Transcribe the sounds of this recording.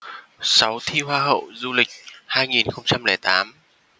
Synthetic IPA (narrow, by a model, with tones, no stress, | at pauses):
sa˨˦wt̪ʰi˧ɦwaː˧ɦə̰˧˨wzu˧lï˨˩k̟̚haː˧jŋi˨˩nxə˧wŋ͡mt͡ɕa˧mlɛː˧˩jt̪aː˨˦m